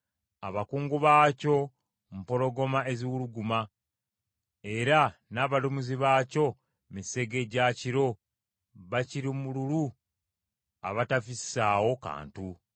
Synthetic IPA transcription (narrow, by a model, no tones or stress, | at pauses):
a̰βakuːŋɡuβaːco̞ | m̩po̞lo̞ɡo̞mae̞ziwuluɡuma | e̞ɾanaːβalumuziβaːco̞ | mise̞ɡe̞ɟaciɾo̞ | βaciɾimululu | a̰βatavisaːwo̞ka̰ːntu